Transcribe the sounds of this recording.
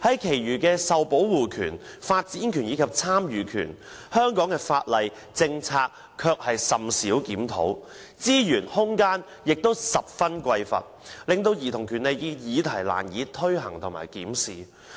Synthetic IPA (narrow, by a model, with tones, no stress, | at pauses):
hɐ˨˦˥jkʰe˨˩jɥyː˨˩kɛː˧sɐ˨wpo˨˥wwuː˨kʰy̰ː˨˩nfaː˧t̚t͡siː˨˥nkʰyː˨˩njiː˨˧kʰɐ˨p̚t͡sʰaː˥mjyː˨˩kʰy̰ː˨˩n | hœː˥ŋkɔː˨˥ŋkɛː˧faː˧t̚lɐ˨j | t͡sɪ˧ŋt͡sʰaː˧k̚ | kʰːœː˧k̚hɐ˨jsɐ˨msi˨˥wkiː˨˥mt̪ʰo̰˨˥w | t͡siː˥jyː˨˩nhʊ˥ŋkaː˥n | jɪ˨k̚t̪o˥wsɐ˨p̚fɐ˥nkʷɐ˧jfɐ̰˨t̚lɪ˨˧ŋt̪o˧wjiː˨˩t̪ʰʊ˨˩ŋkʰyː˨˩nle˨jkɛː˧jiː˨˧t̪ʰɐ˨˩jla̰ː˨˩njiː˨˧t̪ʰɵ˥ɥɦɐ˨˩ŋt̪ʰʊ˨ŋma̰ː˨˩jkiː˨˥msḭː˨